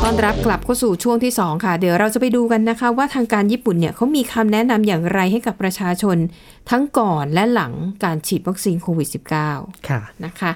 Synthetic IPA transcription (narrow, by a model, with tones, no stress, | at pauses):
t̪ɔː˥˩nɾa˦˥p̚kla˨˩p̚kʰa˥˩wsuː˨˩t͡ɕʰu˥˩əŋt̪ʰiː˥˩sɔː˩˦ŋkʰa˥˩di˨˩˦wɾa˧wt͡ɕa˨˩pa˧jduː˧ka˧nːa˦˥kʰa˦˥waː˥˩t̪ʰaː˧ŋkaː˧njiː˥˩pu˨˩nːi˥ɐkʰa˦˥wmiː˧kʰa˧mnɛ˦˥na˧mjaː˨˩ŋɾa˧jɦa˥˩jka˨˩pːɾa˧t͡ɕʰaː˧t͡ɕʰo˧n | t̪ʰa˦˥ŋkɔː˨˩nlɛ˦˥la˩˦ŋkaː˧nt͡ɕʰiː˨˩t̪̚wa˦˥k̚siː˧nkʰoː˧wi˨˩si˨˩p̚kaː˥˩wkʰna˦˥kʰa˦˥